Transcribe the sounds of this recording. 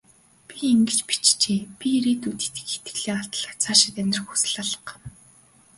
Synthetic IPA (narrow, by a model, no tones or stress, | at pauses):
pieŋɡɘ̆t͡ɕpi̥t͡ɕt͡ɕeːpʲiɾeːt̪ut̪ĭ̥t̪ɘ̥̆kxe̥t̪ɡɘ̆ɮeːŋaɬt̪ɮə̆kt͡sʰaːʃɪ̥̆t̪æmʲɪ̆rxusɘ̆ɮaɮə̥̆q